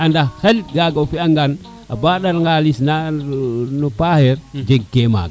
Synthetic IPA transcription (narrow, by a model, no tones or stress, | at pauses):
andaxelɡaɡafiaŋɡan | abaɗaɾŋɡalisna | nupahɛɾd͡ʒeɡkema̰ːɡ